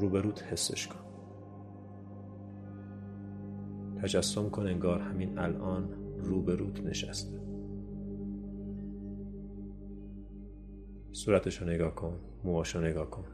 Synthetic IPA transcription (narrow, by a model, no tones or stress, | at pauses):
ɾuːbe̞ɾuːt̪ʰhe̞sːḛʃkʰon | t̪ʰæd͡ʒæsːomkʰone̞ŋɡɒːɾhæmiːnæ̰lʔɒːnruːbeɾuːt̪ʰne̞̰ʃæ̰st̪ | suːɾæt̪ʰeʃɔneɡɒːhkʰon | muɒːʃɔneɡɒːhkʰon